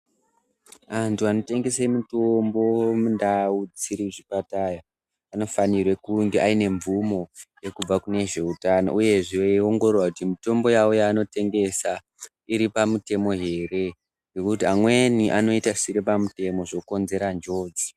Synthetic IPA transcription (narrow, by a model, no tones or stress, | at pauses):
antʰuano̞te̞ŋɡe̞semutombo̞mundaud͡ziɾiʐipataja | ano̞fanirwekuŋɡeʔaine̞ɱvumo̞je̞kub͡vakune̞ʐe̞utano̰ʔuje̞ʐeoŋɡo̞re̞rwakutimito̞mbo̞jawojaːno̞te̞ŋɡe̞sa | iɾipamute̞mo̞ɦe̞ːre̞ | ŋɡekutiamwe̞niʔano̞itasiɾepamute̞mo̞ʐoko̞nze̞ɾand͡ʒo̞ːd͡zi̥